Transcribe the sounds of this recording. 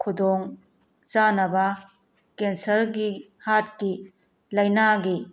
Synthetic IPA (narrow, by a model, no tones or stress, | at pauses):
kʰudoŋ | t͡ʃanɐbɐ | kensɐlɡi | hat̚ki | lɐjnaɡi